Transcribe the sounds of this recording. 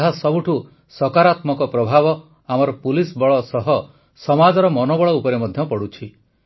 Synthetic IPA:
ɦasɔbuʈʰu | sɔkaɾat̪mɔkɔpɾɔbʱabɔ | amɔɾɔpulisbɔɭɔsɔɦɔ | sɔmad͡ʒɔɾɔmɔnɔbɔɭɔupɔɾemɔd̪ʱjɔpɔɽut͡ʃʰi

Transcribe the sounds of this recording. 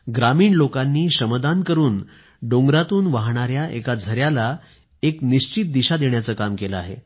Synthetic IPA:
ɡɾamiːɳlokanːiːɕəməd̪ankəɾuːn | ɖoŋɡɾat̪uːnʋaɦɳ̃aɾjaḛkad͡zʱəɾjala | ekniɕt͡ɕit̪̚d̪iɕad̪eɳjat͡səːkamkeləa̰ɦḛ

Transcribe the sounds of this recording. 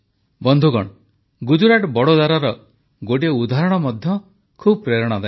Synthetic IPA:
bɔnd̪ʱuɡɔ̰ɽ | ɡud͡ʒuɾaʈbɔɽod̪aɾaɾɔ | ɡoʈ̬ieud̪ʱaɾɔɽ̃ɔmɔd̪ʱjɔ | kʰubɔpɾeɾɔɽ̃ɔd̪a

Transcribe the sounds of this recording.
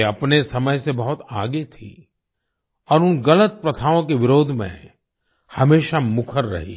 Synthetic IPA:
ɐpnesɐməjsebɐɦʊt̪a̰ːɡet̪ʰḭ | ɔːɾʊnɡɐlət̪̚pɾɐt̪ʰaːõkeʋɪɾoːd̪ʱmḛ̃ | hɐmeːʃamʊkʰəɾːɐ̰ɦḭː

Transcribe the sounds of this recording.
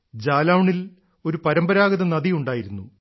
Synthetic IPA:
d͡ʑaːlawɳil | o̞ɾupɐɾɐmbɐɾaːɡɐðɐnɐðijuɳɖaːjiɾunːu

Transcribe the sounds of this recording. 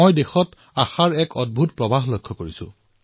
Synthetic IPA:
ojdexɔt | axaɹɛkɔd̚bʱutpɹɔbaɦlojkʰːɔkoɹisʊ̰̃

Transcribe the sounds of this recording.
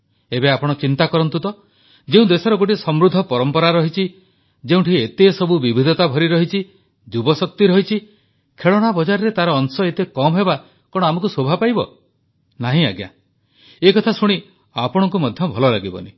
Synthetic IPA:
ebeapɔɽ̃ɔt͡ʃint̪akɔɾɔnt̪ut̪ɔ | d͡ʒeũd̪esɔɾɔɡoʈ̬isɔmɾud̪ʱːɔpɔɾɔmpɔɾaɾɔɦit͡ʃʰi | d͡ʒeũʈʰiet̪esɔbubibʱid̪ʱɔt̪abʱɔɾiɾɔɦit͡ʃʰi | d͡ʒubɔsɔk̚t̪iɾɔɦit͡ʃʰi | kʰeɭɔɽ̃abɔd͡ʒaɾɔɾet̪aɾɔːŋsɔet̪ekɔmɔɦeba | kɔɽ̃ɔamɔkusobʱapajbɔ̰ | naɦĩaɡja̰ | ekɔt̪ʰasuɽ̃i | a̰pɔɽ̃ɔŋk̬umɔd̪ʱjɔbʱɔlɔlaɡibɔ̰ni

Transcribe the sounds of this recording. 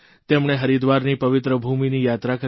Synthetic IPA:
t̪emɳeɦəɾid̪ʋaɾnipəʋɪt̪ɾəbʱuminijat̪ɾakə

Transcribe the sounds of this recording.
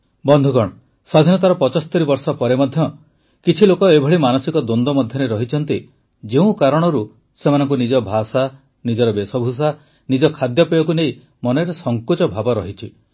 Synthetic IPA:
bɔnd̪ʱukɔɽ̃ɔ | sɔd̪ʱinɔt̪aɾɔpɔt͡ʃɔst̪eɾibɔɾsɔpɔɾemɔd̪ʱjɔ | kit͡ʃʰilokɔebʱɔɭimanɔsikɔd̪ond̪ɔmɔd̪ʱjɔɾeɾɔɦit͡ʃʰɔn̪t̪i | d͡ʒeũkaɾɔɽ̃ɔɾu | semanɔŋk̬unid͡ʒɔbʱasa | nid͡ʒɔɾɔbesɔbʱus̬a | nid͡ʒɔkʰad̪jɔpejɔkunej | mɔnɔɾesɔŋkut͡ʃɔbʱabɔɾɔɦit͡ʃʰi

